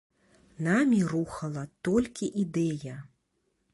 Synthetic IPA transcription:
namʲiɾuxɐlˠɐt̪ɔlʲkʲiʔid̪ɛjɐ

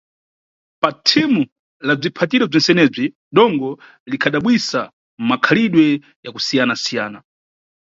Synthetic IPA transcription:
patʰimu | lab͡ʐipʰatiɾɛb͡ʐɔnsɛnɛb͡ʐi | ɗɔŋɡɔ | likʰaɗaɓwisa | m̩makʰaliɗwɛ | jakusijanasijaːna

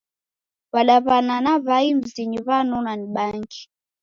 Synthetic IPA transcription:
waɗaβananaβaim̩ziɲiβanunaniɓaŋɡi

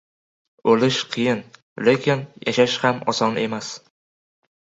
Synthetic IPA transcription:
ɵlɪʃqʰɨjɪn | lekʲɪnjaʃaʃhamɒ̰sɒne̞mas

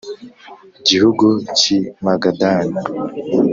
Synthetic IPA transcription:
ɟihuɡucimaɡadaːna

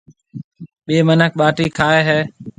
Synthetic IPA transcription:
ɓeːmənək̚ʰɓaːʈiːkʰaːeːɦeː

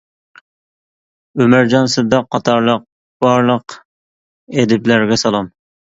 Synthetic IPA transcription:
ømæɾd͡ʒɑnsɨd̪ɑqʰːɑt̪ʰɑɾlˠəq̚ | b̥ɑɾlˠəq | ed̪ɪplæɾɡʲɛsɑlˠɑm

